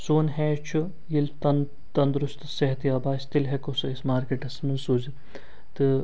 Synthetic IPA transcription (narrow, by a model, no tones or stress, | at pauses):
soːnɦɛːt͡ʃʰu | jilt̪ɐn | t̪ɐnd̪ɾust̪seɦɐt̪iaːbaːst̪ilɦɛkosɐismaːɾkeʈɐsmɐnsuzi | t̪ɨ